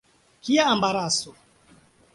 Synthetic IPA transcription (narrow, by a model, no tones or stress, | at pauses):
kiaːmbaɾasɔ